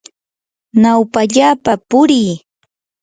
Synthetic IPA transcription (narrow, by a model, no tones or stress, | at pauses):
nawpaʎaːpapʊɾɪj